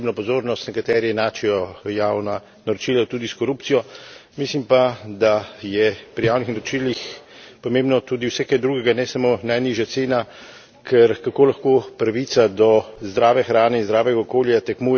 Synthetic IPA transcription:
bnɔpɔzoːɾnɔst̪nɛkat̪ɛɾiɛnaːt͡ʃɛjɔjawna | naɾɔt͡ʃilat̪ud̪iskɔɾupt̪sijɔmislimpad̪ajɛpɾijaːwnixnaɾɔt͡ʃilixpɔmẽmbnɔt̪ud̪iwsɛkɛd̪ɾuːɡɛɡanɛsamonajniʒjat̪seːna | kʰɛɾkakoːlaxkoːpɾaʋit̪sad̪ɔzd̪ɾaːʋɛxɾaːnɛinzd̪ɾaːʋɛɡaɔkoːljat̪ɛkmuj

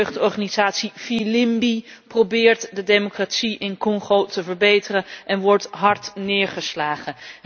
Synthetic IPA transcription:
ɥχtɔɹχaːnizaːtsifilɪmbiprobɪːɹtdədemokratsiʔɪnkɔŋχowtəvəɹbejtərəʔɛnʋɔɹtɦɑɹtnɪːɹχəslaːχə

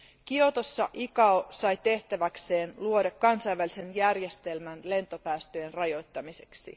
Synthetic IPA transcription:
kiot̪osːɑʔikɑosɑjt̪e̞ht̪æʋækse̞ːnluo̞dɑkːɑnsɑjʋːælise̞njærje̞st̪e̞lmænle̞nt̪o̞pæːst̪øjenrɑjo̞jt̪ːɑmise̞ksḭ

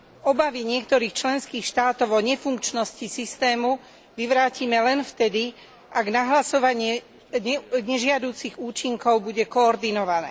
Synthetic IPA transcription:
ɔbaʋiɲɪɛk̚t̪ɔɾiːxt͡ʃlɛnskiːxʃt̪aːt̪ɔʊɔɲɛfuŋkt͡ʃnɔscisist̪ɛːmu | ʋiʋɾaːcimɛlɛnft̪ɛd̪i | aɡnaɦlasɔʋaɲɪɛ | ɲɛɲɛʒɪad̪uːt͡siɣuːt͡ʃiŋkɔʊbuɟɛkɔːɾd̪inɔʋanɛ̰ː

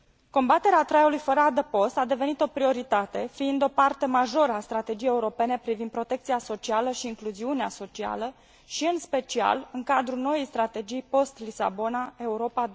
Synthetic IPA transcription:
ko̞mbat̪e̞ɾeat̪ɾajulujfəɾəad̪əpo̞st̪ad̪e̞ve̞nit̪o̞pɾio̞ɾit̪at̪e̞fiind̪o̞part̪e̞maʒo̞ɾəast̪ɾat̪e̞d͡ʒijejeuɾo̞pe̞ne̞pɾivind̪pɾo̞t̪e̞kt̪sijaso̞t͡ʃialəʃiːŋkluziuneaso̞t͡ʃia̰lə | ʃiɨnspe̞t͡ʃia̰lɨŋkad̪ɾulno̞jejst̪ɾat̪e̞d͡ʒijpo̞st̪lisa̰bo̞nae̞uɾo̞pad̪

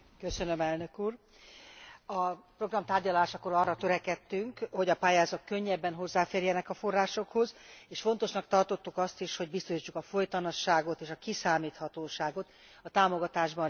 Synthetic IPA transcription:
kø̞sø̞nø̞mɛlnø̞kuːr | ɒpro̞ɡrɒmt̪aːrɟɒlaːʃɒko̞ɾɒrːɒt̪ø̞ɾɛkɛt̪ːyŋkho̞ɟɒpaːjaːzɒkkø̞ɲːɛbːɛnɦo̞zːaːfeːrjɛnɛkɒfo̞rːaːʃo̞kho̞zeːʃfo̞nt̪o̞ʃnɒk̚t̪ɒrt̪o̞t̪ːukɒst̪iʃho̞ɟ̚bist̪oʃiːt͡ʃːukɒfojt̪ɒnɒʃaːɡo̞t̪eːʃɒkisaːmiːt̪hɒt̪oːʃaːɡo̞t̪ | ɒt̪aːmo̞ɡɒt̪aːʒbɒn

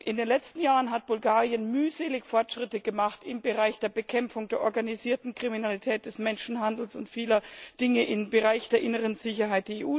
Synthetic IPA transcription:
ʔɪndeːnlɛt͡stn̩jaːʁənɦat̚b̥ʊlɡaːʁiənmyːzeːlɪçfɔɐtʃʁ̥ɪtəɡəmaχtɪmbəʁaɪçd̥eːɐbəkʰɛmfʊŋd̥eːɐʔɔɐɡaniziːɐtn̩kʁ̥iminalitʰɛːt̚d̥ɛsmɛnʃn̩ɦandl̩sʊntfiːlɐd̥ɪŋəʔɪmbəʁaɪçd̥eːɐʔɪnəʁ̞ənzɪçɐɦaɪt̚d̥eːɐeːʔuː

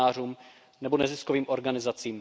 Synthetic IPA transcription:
aːruːm | nɛbonɛzɪskoviːmʔoɾɡanɪzat͡siːm

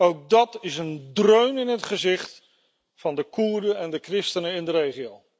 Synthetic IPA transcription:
owk̚dɑtɪsəndrøɥnɪnɦətχəzɪχt | fɑndəkuːɹdəɛndəkrɪstənəɪndərejχiow

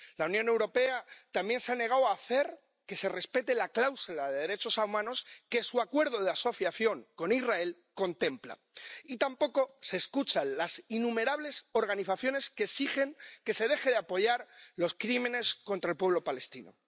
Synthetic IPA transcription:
launjõne̞wɾo̞pe̞at̪ambje̞nseane̞ɣ̞awaθe̞ɾ | ke̞se̞re̞spe̞t̪e̞laklawsulaðe̞ð̞e̞ɾe̞t͡ʃo̞sawmãno̞ske̞suakwe̞ɾð̞o̞ð̞easo̞θjaθjo̞ŋko̞nizrae̞l | ko̞nt̪e̞mpla̰ | it̪ampo̞ko̞seːskut͡ʃanlasinume̞ɾaβ̞le̞so̞ɾɣaniθaθjo̞ne̞skesixe̞ŋke̞se̞ð̞e̞xe̞ðeapo̞ʝaɾlo̞skɾime̞ne̞sko̞nt̪ɾaelpwe̞βlopale̞st̪ino̞̰

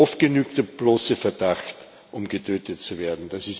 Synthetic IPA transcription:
ɔft̚ɡ̥ənyːktəb̥loːsəfɛɐdaxt | ʔʊmɡətʰøːtʰətt͡suveːɐdn̩d̥asɪs

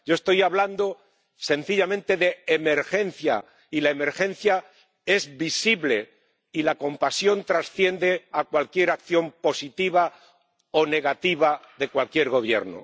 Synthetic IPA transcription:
ɟ͡ʝo̞e̞st̪o̞jaβland̪o̞ | se̞n̟θiʎamẽnt̪e̞ðe̞ːme̞ɾxe̞nθja̰ | ilaeme̞ɾxẽ̞n̟θja | e̞zβisiβle̞ | ilako̞mpasjo̞nt̪ɾasθje̞nd̪e̞akwalkje̞ɾakθjo̞mpo̞sit̪iβ̞a | o̞ne̞ɣat̪iβ̞aðe̞kwalkje̞ɾɣo̞β̞je̞̰ɾno̰

